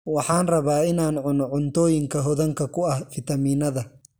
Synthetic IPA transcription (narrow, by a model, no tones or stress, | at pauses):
wɐħaːnrɐβaːɪnaːnʕʊnʕʊnt̪oːjɪŋkɐɦɔðɐŋkɐkʊɐhfɪt̪ɐmiːnɐðɐ